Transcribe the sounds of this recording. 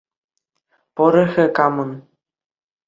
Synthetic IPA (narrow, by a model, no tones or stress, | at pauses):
poɾĕxʲɘ̆kɑmɤ̆n